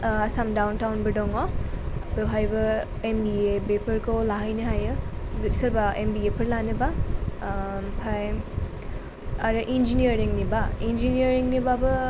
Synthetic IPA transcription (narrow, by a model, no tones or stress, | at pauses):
ɐsamdawntawnbɐdɔŋɔbewɦajbɐ | embiebepʰɐɾkʰowlaɦajnɯɦajɯzutsɐɾbaembiepʰɐɾlanɯba | pʰaj | aɾɯʔind͡ʒinijɐɾiŋnibaind͡ʒinijɐɾiŋnibabɯ